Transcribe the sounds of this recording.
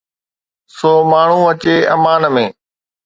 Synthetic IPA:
soːmaːɳ̤ũːət͡ɕeːəmaːnmẽː

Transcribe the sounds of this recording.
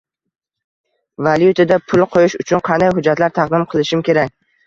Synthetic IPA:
valjʊt̪ʰad̪apʰʊlˠqʰojɪʃʊt͡ʃʰʊnqʰɑnd̪ajɦʊd͡ʒːat̪laɾt̪ʰɑqd̪ɪmqʰɨlˠɪʃɪmkʲʰe̞ɾak̚ʲ

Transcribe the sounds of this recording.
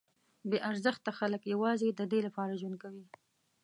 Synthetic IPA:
beʔaɾzəxt̪axaləkjawɑzed̪əd̪elapɑɾaʒwund̪̚kawi

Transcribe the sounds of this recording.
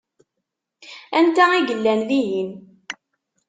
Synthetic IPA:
ænt̪æiʝəlːænlijin

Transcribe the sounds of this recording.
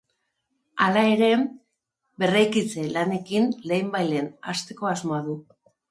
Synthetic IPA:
alae̞ɾe̞ | be̞rajkit͡se̞lane̞kinle̞jmbajle̞na̰st̪e̞ko̞azmoaðu

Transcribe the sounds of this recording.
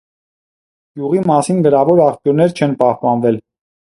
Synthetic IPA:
ɡ̥juʁimɑsinɡəɾɑvɔɾɑχpjuɾnɛɾt͡ʃʰɛnpɑhpɑnvɛl

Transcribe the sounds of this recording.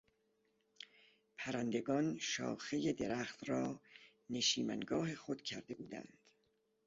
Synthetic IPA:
pʰæɾænd̪e̞ɡɒːnʃɒ̰ːxe̞je̞d̪e̞ɾæːxt̪ɾɒː | ne̞ʃiːmæ̰ŋɡɒːɦe̞xod̪̥cʰæɾd̪e̞buːd̪æ̰nd̪̥

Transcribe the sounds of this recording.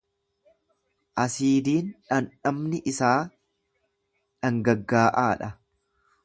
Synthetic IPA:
ʔɐsiːd̪iːnᶑɐnᶑɐmnɪʔɪsaː | ᶑɐŋɡɐɡːaːʔaːᶑɐ

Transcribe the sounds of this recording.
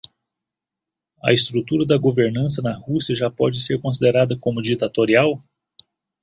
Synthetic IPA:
ɐ̰ist̪ɾut̪uɾɐd̪ɐɡoveɾnɐ̃nt̪sɐnɐhusiɐʒapɔd͡ʒɪseɾkõs̬id̪eɾad̪əkõmud͡ʒik̚t̪ːat̪oɾiaw

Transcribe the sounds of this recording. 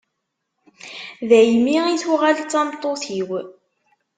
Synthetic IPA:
ðæjmiiθwʁalt͡sːɑmt̪ˤːoθiw

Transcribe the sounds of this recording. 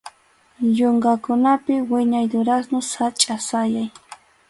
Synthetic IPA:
ʎʊŋɡakʊnapɪwɪɲajd̪ʊɾasnʊsat͡ʃʼasajaj

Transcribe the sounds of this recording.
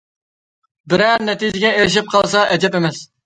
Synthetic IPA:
bɪɾæɾnɛt̪id͡ʒɪɡʲɛeɾɪʃ̬ip̚qʰɑlˠsɑʔɛd͡ʒ̪ɛpemɛs

